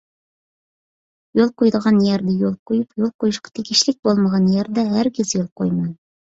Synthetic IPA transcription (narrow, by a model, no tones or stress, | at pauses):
jolˠqujd̪ʁɑnjæɾd̪æjolˠqujɤpjolˠqujɤ̆ʃqɑ̥t̪ʰiɡʲɪʃlɪk̚bolˠmɑʁɑnjæɾd̪æɦæɾɡʲezjolˠqojmɑj